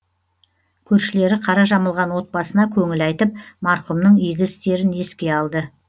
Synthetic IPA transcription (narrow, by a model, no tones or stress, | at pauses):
kʲʰɵɾʃɪle̞ɾɪqʰɑɾɑʒɑməlˠʁɑnwo̞t̪̚bɑsənɑkʲʰɵŋɪlɑjt̪əp̚mɑɾqʊmnəɴijɡʲɪst̪e̞ɾɪne̞skʲe̞ɑlˠd̪ə